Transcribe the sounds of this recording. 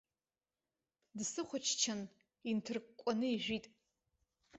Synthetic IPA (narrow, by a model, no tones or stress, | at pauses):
dsɨχʷʊt͡ʃʰt͡ʃʰan | intʰɨrkkʷʼanɨiʒᶣʷitʼ